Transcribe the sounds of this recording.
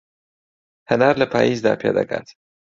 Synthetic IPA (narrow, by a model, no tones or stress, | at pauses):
hənaːɾləpʰaːjizd̪a̰ːpʰja̰ːd̪ɐka̰ːt̪